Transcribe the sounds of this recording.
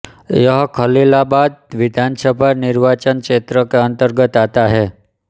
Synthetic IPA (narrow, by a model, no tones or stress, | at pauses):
jəɦkʰəlilabad̪̚ʋid̪ʱansəbʱaniɾʋat͡ʃənkʃet̪ɾəkeənt̪əɾɡət̪at̪aɦe